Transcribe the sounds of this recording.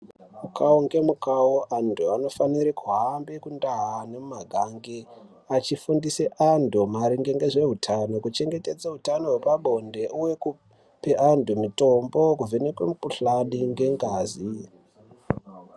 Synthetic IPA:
mukaoŋɡe̞mukaoʔantʰuano̞faniɾikuɦambekundaɦane̞mumaɡʱaŋɡe | at͡ʃifundiseʔandʱumaɾiŋɡe̞ŋɡe̞ʐe̞ɦutʰano̞kut͡ʃe̞ŋɡe̞te̞d͡zaɦutano̞ɦwepaɓo̞nde̞ʔuweku | peʔandumito̞mbo̞kuvenekwemukuɬaɗiŋɡe̞ŋɡaːzi

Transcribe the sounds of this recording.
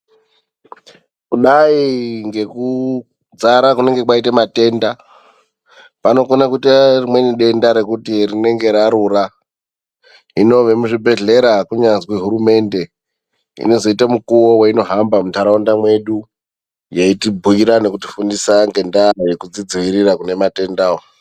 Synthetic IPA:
kuɗaiŋɡe̞ku | d͡zaɾakune̞ŋɡe̞kwaitamate̞nda | pano̞konak̬uitarimwe̞niɗe̞ndaɾe̞kutirine̞ŋɡe̞ɾaɾura | ino̞ʋe̞muʐibʱe̞ɮe̞ɾakuɲanzkweɦuɾume̞nde̞ | ḭno̞zo̞itamukuwo̞waino̞ɦambamutaɾaondamwe̞ɗu | jaitibʱuiɾane̞kuti̥fundisaŋɡe̞ndajekud͡zid͡ziʋiɾirakune̞mate̞ndaːwo

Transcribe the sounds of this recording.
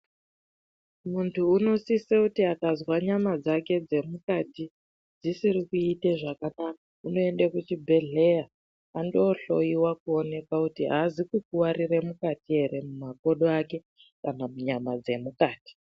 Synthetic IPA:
muntʰuːno̞sisekutiakazwaɲamad͡zake̞d͡ze̞mukati | d͡zisirikuiteʐakanakauno̞e̞ndakut͡ʃibʱe̞ɮe̞ja | ando̞ɬo̞jiwakuo̞ne̞kakutiɦazikuk̚uwaɾiremukatiɦe̞ɾe̞mumako̞ɗoake̞ | kanamuɲamad͡ze̞mukaːti̥

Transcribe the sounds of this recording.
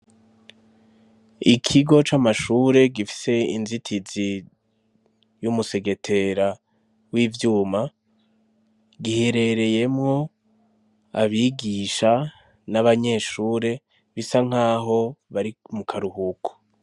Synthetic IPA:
ikʰiɡo̞t͡ʃamaʃuːɾe̞ɡifi̥se̞inzitʰizi | jumuse̞ɡe̞tʰe̞ɾa | wiːvjuːma | ɡihe̞ɾe̞ɾe̞je̞mŋo̞ | a̰βiɡiʃa | naβaɲe̞ːʃuːɾe̞ | βisaŋ̥aːɦo̞βaɾimukʰaɾuhukʰo̥

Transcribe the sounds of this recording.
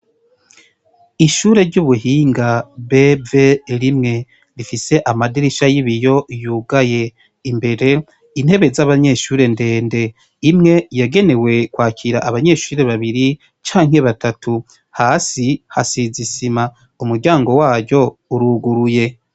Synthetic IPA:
iʃuːɾe̞ɾɟuβuɦiːŋɡabe̞ve̞ɾimŋe̞ | ɾifise̞ʔamadiɾiʃajiβijo̞juːɡaje̞ | imbe̞ɾe̞ | in̥he̞βe̞zaβaɲe̞ʃuːɾe̞nde̞ːnde̞ | imŋe̞jaɡe̞ne̞we̞kwaːcʰiɾaʔaβaɲe̞ʃuːɾe̞βaβiɾi | t͡ʃaːŋhe̞βatatu | haːsiha̰sizisima | umuɾɟaːŋɡo̞waːɾɟo̞uɾuɡuɾuje̞

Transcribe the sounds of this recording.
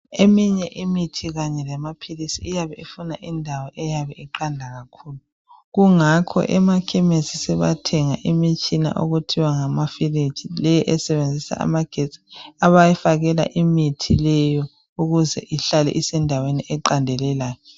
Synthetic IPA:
emiɲɛʔimitʰiɣaɲɛlɛmapʰilisiːjaβɛifunaʔindʱawɔʔɛjaβɛiǃandʱaɣakʰuːlu | ɣuŋakʰɔ̰ʔɛmakʰɛmesisɛβa̰tʰɛŋa̰ʔimit͡ʃʼina̰ʔoɣutʰiwaŋamafirit͡ʃilɛjɛʔɛsɛβend͡zʱisa̰a̰maɡ̥ʱet͡sʼi̥aβajɛfaɣɛla̰ʔimitʰilɛjɔ | uɣuzɛ̰ʔiɬalɛ̰ʔisɛndʱaweniʔɛǃandʱɛlɛlaːjɔ

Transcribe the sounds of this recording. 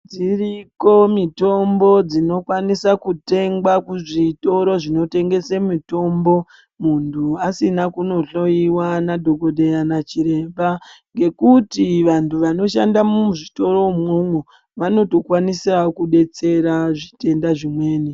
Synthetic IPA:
d͡ziriko̞mito̞mbo̞d͡zino̞kwanisakute̞ŋɡwakuʐito̞ɾo̞ʐino̞te̞ŋɡe̞semito̞mbo̞ | muntʰuasinakuno̞ɬo̞iwanadʱo̞ɡʱo̞dʱejanat͡ʃiɾe̞mbaŋɡe̞kutiʋantʰuʋano̞ʃandamuʐito̞ɾo̞moŋu | ʋano̞to̞kwanisakuɗe̞t͡se̞ɾaʐite̞ndaʐimwe̞ːni

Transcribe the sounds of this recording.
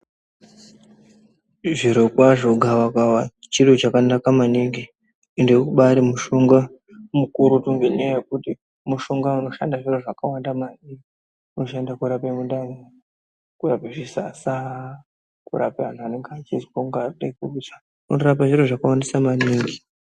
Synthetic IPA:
ʐiɾokwaʐoɡʱawakawa | t͡ʃirot͡ʃakanakamaniŋɡi | endekuɓaɾimuʃoŋɡa | mukuɾutuŋɡeɲajaje̞kuti | muʃoŋɡauno̞ʃa̰ndaʐiro̞ʐakawandamani | uno̞ʃandakuɾapemundano | kurapeʐisa̰sa | kṵɾapeʋan̤uane̞ŋɡat͡ʃizikoŋɡaruɗaikurut͡ʃḁ | uno̞ɾap̬aʐiɾoʐakawandisamaniːŋɡi

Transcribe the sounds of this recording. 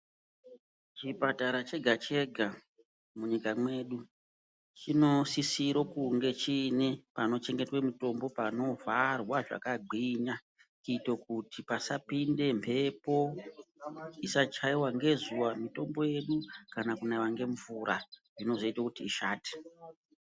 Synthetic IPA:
t͡ʃipataɾat͡ʃe̞ɡʱat͡ʃe̞ɡʱa | muɲikamwe̞ɗu | t͡ʃino̞sisiɾo̞kuŋɡe̞t͡ʃinepano̞t͡ʃe̞ŋɡetwemito̞mbo̞pano̞varwaʐa̰kaɡ͡ǃʱiɲa | kitok̚utipasapinde̞mpʰe̞po̞ | isat͡ʃaiwaŋɡe̞zuwamito̞mbo̞je̞ɗukanakunaʋaŋɡe̞ɱvuɾʔaʐino̞zo̞itwakutiːʃaːti̥

